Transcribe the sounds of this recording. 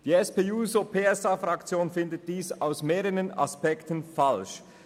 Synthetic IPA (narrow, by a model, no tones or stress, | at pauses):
d̥iːɛspeːuːzopʰeːɛsaːfʁakt͡sjoːnfɪndət̚d̥iːsaʊsmeːɾəʁəna̰spɛktənfalʃ